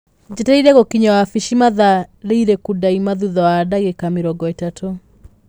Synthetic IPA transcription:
d͡ʑetɛiɾɛɣokiɲawafiʃimaðaɾeiɾekudaimaðuðɔwaːdaɣekameɾɔɡɔetatʰo

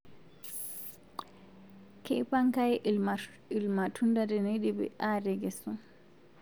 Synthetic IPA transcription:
kʰɛpaŋkajɛ | ilmatʰundadɛneɗibɛ̰ʔaɾɛɡɛsɔ

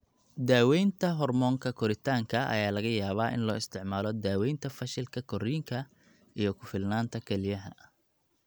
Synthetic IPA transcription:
d̪aːwɛjnt̪ʰɐɦɔrmɔːŋkʰɐkʰɔɾɪt̪ʰaːŋkʰɐɐ̰jaːlɐɣɐjaːβaːʔɪ̰nlɔːɪst̪ʰɪʕmaːlɔd̪aːwɛjnt̪ʰɐfɐʃɪlkʰɐkʰɔɾiːŋkʰɐ | ʔijɞkʰʊfɪlnaːnt̪ʰɐkʰɛlɪjɐɦɐ

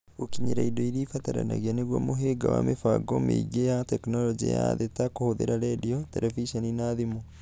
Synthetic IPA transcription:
okiɲeɾaidɔiɾiːfataɾa̰na̰ɣianeɣwamoɦeɡawa̰mefaɡɔmḛɡejatɛknɔlɔd͡ʒḛjaðetakohoðḛɾaɾɛdiɔtɛɾɛviʃaninaðimo

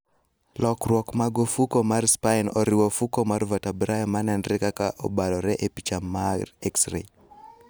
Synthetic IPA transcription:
lɔkɾwɔkmaɡofukomarspainɔɾɪwofukomaɾvatabɾajɔmanɛnɾɛkakaʔɔ̰balɔɾɛʔepit͡ʃamaɾeksɾḛ

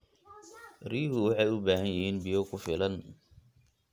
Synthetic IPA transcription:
riːɦʊwɑħɑjʊbaːɦɐnjɪhiːnbɪjɔkʰʊfɪlɐn

